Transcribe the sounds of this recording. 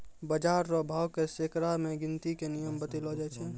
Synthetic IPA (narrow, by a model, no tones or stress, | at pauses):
bəd͡ʒaːɾːɔbʱaːwkesekɾamẽɡɪnt̪ikenijəmbət̪ilɦod͡ʒɛt͡ʃʰɛ